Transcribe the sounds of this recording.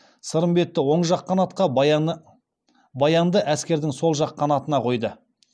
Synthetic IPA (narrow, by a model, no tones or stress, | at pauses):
səɾəmbe̞t̪ːɪwo̞ɴʒɑqːɑnɑt̪̚qɑ | bɑjɑnd̪əʔæskʲe̞ɾd̪ɪŋso̞lˠʒɑqːɑnɑt̪ənɑqʰo̞jd̪ə